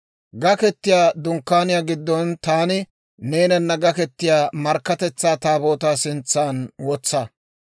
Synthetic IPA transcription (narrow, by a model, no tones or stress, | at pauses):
ɡɐkɛt̪ːɪjaːd̪ʊŋkːaːnɪjaːɡɪd̪ːɔnt̪aːnɪ | ne̞ːnɐnːɐɡɐkɛt̪ːɪjaːmɐɾkːɐt̪ɛt͡sːaːt̪aːbo̞ːt̪aːsɪnt͡sːaːnwɔt͡sːɐ